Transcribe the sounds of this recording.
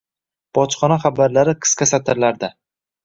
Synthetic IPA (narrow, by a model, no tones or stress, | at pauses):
b̥ɒt͡ʃχɒnaχabaɾlaɾɪqʰɨ̥skʲasat̪ʰɪɾlaɾd̪a